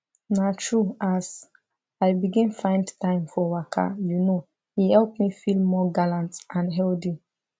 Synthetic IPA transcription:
natʰɹuas | aɪbiɡĩnfãɪ̃ndtʰãɪ̃mfɔwakʰa̰juno | hihɛlpmifilˠmɔɡalãntãnɦɛldi

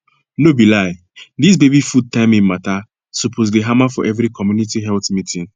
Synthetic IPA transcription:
nobilaɪ | dis̬bebifud̚tãɪ̃mĩmata | supʰozdeɦamafɔ̰ʔɛvɾikɔmjunitiɦɛltmitĩn

